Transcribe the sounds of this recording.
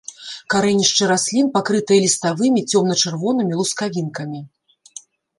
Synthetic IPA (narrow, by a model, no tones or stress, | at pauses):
kaɾɛnʲiʂt͡ʂɨɾasʲlʲinpakɾɨt̪ɨjɐlʲist̪avɨmʲit͡sʲɔmnɐt͡ʂɛrvɔnɨmʲilˠuskavʲinkɐmʲi